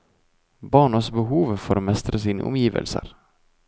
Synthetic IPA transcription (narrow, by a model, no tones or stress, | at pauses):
bɑːɳəsbəɦuːʋfɔɾoːmɛst̪ɾəsiːnə̰ʔɔ̰mjiːʋə̰lsə̰ɾ